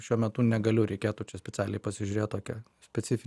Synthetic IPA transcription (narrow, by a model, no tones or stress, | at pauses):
ʃʲuɔmʲɛt̪ʊnʲɛɡɐlʲʊɾʲɛɪkʲeːt̪ʊt͡ʃʲɛsʲpʲɛt͡s̪ʲæːlʲɛɪpɐsʲɪʒʲʊɾʲeːt̪̚t̪oːkʲɛ | sʲpʲɛtsʲɪfʲɪ